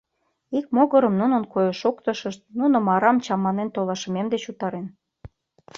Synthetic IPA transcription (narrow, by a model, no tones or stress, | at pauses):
ik̚moɣəɾə̆mnunə̆nkojəʃokt̪əʃəʃt̪̚nunŏmɑɾɑmt͡ɕɑmɑnent̪olɑʃə̆memd̪et͡ɕut̪ɑɾen